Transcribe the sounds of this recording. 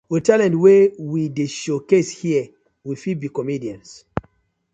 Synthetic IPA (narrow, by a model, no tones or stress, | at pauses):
ətalɛ̃ntwɛwideʃokeshiə | wifibikɔmidiãns